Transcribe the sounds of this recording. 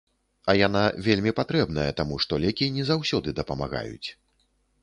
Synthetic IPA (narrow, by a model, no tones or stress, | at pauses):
ɐjanavʲelʲmʲipat̪ɾɛbn̪ɐjɛt̪amuʂt̪ɔlʲɛkʲinʲɛzawsʲɔd̪ɨd̪ɐpɐma̰ɣa̰jṵt͡sʲ